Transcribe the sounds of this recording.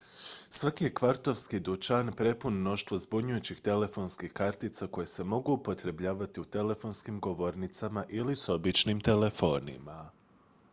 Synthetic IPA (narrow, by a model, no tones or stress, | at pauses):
sʋakije̞kʋaɾt̪o̞ʋskid̪ut͡ʃanpɾe̞punmno̞ʃt̪ʋo̞zbuɲujut͡ɕixt̪e̞le̞fo̞ːnskixkaɾt̪it̪sako̞jese̞mo̞ɡuːpo̞t̪ɾe̞bʎaːʋat̪iut̪e̞le̞fo̞ːnskimɡo̞ʋo̞ɾnit̪samaʔiliso̞bit͡ʃnimt̪e̞le̞fo̞̰ːnḭma